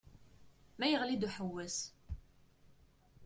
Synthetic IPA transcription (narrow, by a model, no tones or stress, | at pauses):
mæjəʁlid̪uħəwːæs